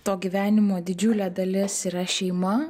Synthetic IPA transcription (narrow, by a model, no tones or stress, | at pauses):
t̪oːɡʲiːʋʲæːnʲɪmoːd̪ʲɪd͡ʒʲʊlʲeːd̪ɐlʲɪsiːɾɐʃʲɛɪmɐ